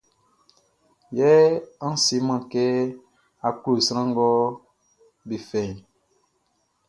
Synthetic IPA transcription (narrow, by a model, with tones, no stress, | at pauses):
jɛ˦a˦si˨˦mã˨ke˦ | a˨ku˦˨sɾ̃ã˦ŋ˦ɡɔ˦ | bi˨fɛ̃˨ĩ˨